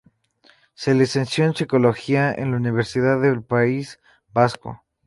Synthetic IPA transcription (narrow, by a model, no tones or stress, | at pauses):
selesensjo̞ensiko̞loxiaḛnlauniβ̞eɾsiðaðelpais | basko̰